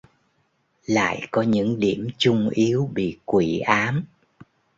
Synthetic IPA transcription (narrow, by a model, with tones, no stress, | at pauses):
la̰ː˧˨jkɔ˨˦ɲɨ̰˧˥ŋɗi˧˩əmt͡ɕʊ˧ŋ͡mʔi˨˦əwɓḭ˧˨kwi˧˩˨ʔaː˨˦m